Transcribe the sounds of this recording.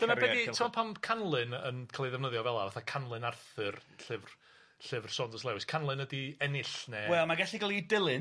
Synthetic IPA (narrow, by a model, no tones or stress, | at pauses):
d̥ənabɛditʰɔpʰamkʰanlˠɨnənkʰalˠiðɛvnəðjɔvɛlˠavaθakʰanlˠɨnarθɨrɬɪvr | ɬɪvr̥sɔndɔslɛwɪskʰanlˠɨnədiɛnɪɬnɛwɛlmaɡɛɬiɡalˠidɪlˠɨn